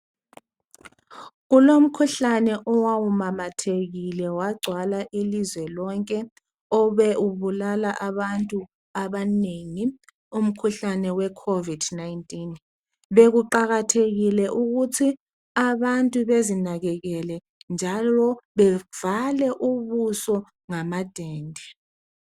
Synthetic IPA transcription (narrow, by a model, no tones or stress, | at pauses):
ɣulom̩kʰuɬanɛʔɔwawumamatʰeɣilɛwaɡ͡ǀʱwalaʔilizwɛlɔŋkʼɛ | ɔɓɛuβulalaʔaɓantʼu | aɓaneŋi | um̩kʰuɬanɛwɛkʰovid̥najntʼin | ɓek̬uǃaɣatʰeɣilɛʔuk̬utʰi | aɓantʼuɓezinaɣɛkɛlɛ | nd͡ʒʱalɔɓɛv̥alɛʔuɓusɔ | ŋamad̥ʱeːndʱi